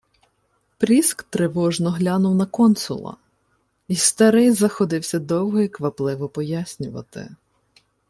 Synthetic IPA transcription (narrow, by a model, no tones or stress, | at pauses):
pɾʲiskt̪ɾɪʋɔʒnɔɦlʲanʊwnɐkɔnsʊ̰lˠɐ̰ | ist̪ɐɾɪjzɐxɔd̪ɪwsʲɐd̪ɔwɦɔikʋɐplˠɪʋɔpɔjasʲnʲʊʋɐ̰t̪ɪ̰